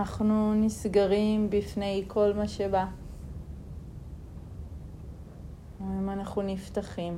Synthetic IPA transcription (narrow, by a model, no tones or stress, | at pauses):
aχnunisɡaʁimbifne̞jkʰo̞lmaʃe̞ba | imanaχunift̪aχim